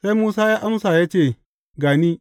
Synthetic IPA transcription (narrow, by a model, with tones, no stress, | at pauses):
sa˦jmuː˦saː˦jaː˦ʔa˦msa˨jaː˦t͡ʃeː˦˨ | ɡaː˨niː˦